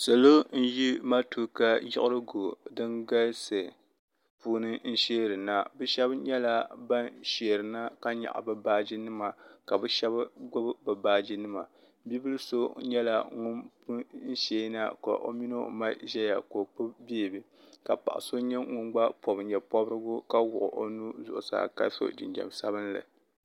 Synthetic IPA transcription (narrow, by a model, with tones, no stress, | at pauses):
sa˨lo˦n̩˦ji˦ma˦tʰu˦ka˦jɪ̰˦ʔɪ˦ɾɨ˦ɡo˨dɨ˦nɡa˦lsɨ˨ | puː˦nɨ˦n̩˦ʃeː˦ɾɨ˨na˦bɨ˦ʃɛ˦bɲɛ˦la˦ba˦nʃe˨ɾɨ˨na˦ka˦ɲa̰˨ʔa̰˨bɨ˨baː˦d͡ʒi˦nɨ˦ma˨ka˨bɛ˦ʃɛ˦bɡ͡bʊ˦bbɨ˨baː˦d͡ʒi˦nɨ˦ma˨ | bi˦bɨ˦lso˦ɲɛ˦la˨ŋʊ˦npu˦n̩˦ʃeː˦na̰˦ka̰˨ʔo̰˦mi˦no˦o̰˨ma˦ʒɛ˦ja̰˨ko˨k͡pɨ˦bbe˦˨bɨ˨ | ka˨pa˨ʔa̰˨so˦ɲɛ˦ŋʊ˦nɡ͡ba˦pʰɔ˨bɲɛ˨pɔ˦bɾɨ˦ɡʊ˦ka˦wʊ̰˨ʔʊ̰˨ʔo˦nu˦zʊ̰˨ʔʊ˨sa̰ː˨ka̰˦so̰˦d͡ʒɪ˨d͡ʒɛ̰˨msa˦bɨ˦n˦lɨ̰˨